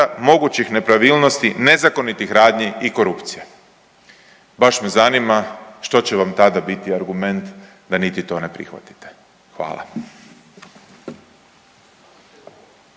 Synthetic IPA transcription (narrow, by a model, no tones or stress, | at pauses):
amo̞ɡut͡ɕixne̞pɾaʋiːlnost̪ine̞zako̞nit̪ixɾaːd̪ɲiiko̞ɾupt̪si̥je | baʃmezanimaʃt̪o̞t͡ɕeʋamt̪ad̪abit̪iaɾɡume̞nt̪ | d̪anit̪it̪o̞ːnepɾḭxʋa̰t̪i̥t̪e | xʋa̰ːla̰